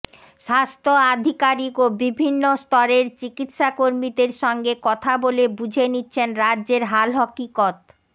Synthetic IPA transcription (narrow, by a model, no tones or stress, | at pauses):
ʃast̪ʰoad̪ʱikaɾikobibʱinːost̪ɔɾeɾt͡ɕikit̪ʃakoɾmid̪eɾʃɔŋɡekɔt̪ʰabolebud͡ʑʱenitːɕʰenɾadːd͡ʑeɾɦalɦɔkikɔt̪